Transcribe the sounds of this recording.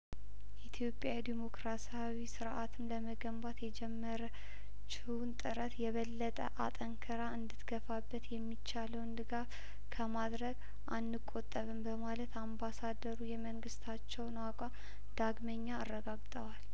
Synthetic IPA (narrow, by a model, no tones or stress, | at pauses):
jɛit̪ʰjo̞pʼːjad̪imo̞kɾasiawisɨɾʔat̪ʰɨmləməɡəmbat̪jɛd͡ʒɛmːəɾə | t͡ʃːɪwunt̪ʼɨɾət̪jɛβəlːət̪ʼə̰ʔat̪ʼəŋkʰəɾaɨnd̪ɨt̪ɡəfabːət̪jɛmːit͡ʃːaləwnd̪ɨɡaf | kʰəmad̪ɾəɡ | ʔanːɨkʼːo̞t̪ʼːəβɨmbəmalət̪ambasad̪əɾujɛməŋɡɨst̪ʰat͡ʃːɛwnwakʷʼa | d̪̥aɡməɲːaːrːəɡaɡt̪ʼəwal